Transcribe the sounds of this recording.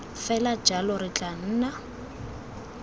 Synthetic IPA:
fɛlad͡ʒalɔrɪt͡ɬʼan̩ːna

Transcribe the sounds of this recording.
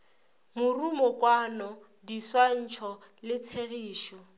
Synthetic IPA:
mʊrumɔkwanɔ | diswan̩t͡ʃʰɔlɪt͡sʰeɣiːʃɔ

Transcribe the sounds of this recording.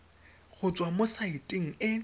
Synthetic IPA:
ɣʊt͡ʃʼwamosaitʼiŋ̩ɪ

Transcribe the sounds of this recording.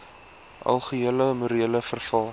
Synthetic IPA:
ʔɐ̰lˠχəiələmuɾiələfərfɑlˠ

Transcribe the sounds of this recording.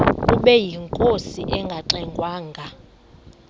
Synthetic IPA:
uɓɛjiŋkʼosiʔɛŋɡʱaǁɛŋɡʱwaːŋɡʱa

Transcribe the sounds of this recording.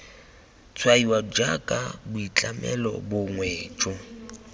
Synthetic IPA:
t͡sʰʼwaiwad͡ʒakʼabʊit͡ɬʼamɛ̰lɔ̰bʊŋwɛːt͡ʃʼɔ

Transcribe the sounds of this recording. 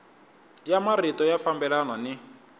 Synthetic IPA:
jamaritɔjafambɛlananɪ

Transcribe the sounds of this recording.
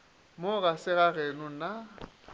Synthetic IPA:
mʊɣasɪɣaɣenʊna

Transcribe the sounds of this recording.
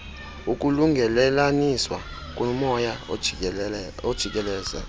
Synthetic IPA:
uk̬ʼuluŋɡʱɛlɛlaniswa̰ | k̬ʼumɔja | od̥ʒ̥ʱik̬ʼɛlɛːza̰

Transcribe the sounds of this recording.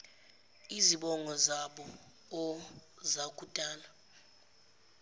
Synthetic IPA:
iziɓɔŋɔzaɓɔ | ɔzakʼutʼaːla

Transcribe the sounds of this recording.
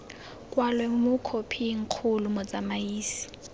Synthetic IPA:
kʼwalwɛmʊkʰopʰiŋ̩q͡χʰʊlumɔt͡samaiːsi̥

